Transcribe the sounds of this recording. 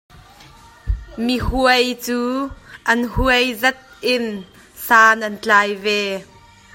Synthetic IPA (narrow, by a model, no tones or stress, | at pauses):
mihuəjt͡suːʔɐnhuəjzɐt̪̚ʔɪn | saːnʔɐnt͡ɬaːjvɛː